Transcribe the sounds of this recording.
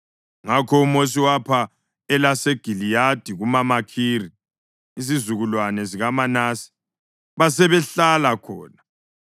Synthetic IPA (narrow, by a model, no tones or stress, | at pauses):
ŋakʰɔumos̬iwapʰa | ɛlaseɡ̥ʱilijad̥ʱiɣumamakʰiːri | izizuɣulwanɛziɣamanaːsi̥ | βasɛβɛɬalakʰɔ̰ːna